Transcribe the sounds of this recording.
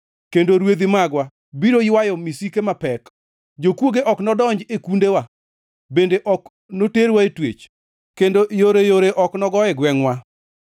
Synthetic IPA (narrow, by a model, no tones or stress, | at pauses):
kendoɾwed̪imaɡwa | biɾoɪwajɔmisikemapɛk | d͡ʒokwoɡeʔɔknɔdɔɲd͡ʒekundewa | bendeʔɔk | noteɾwaetwḛt͡ʃ | kendoʔjoɾejoɾeʔɔknɔɡɔɛɡwɛŋwa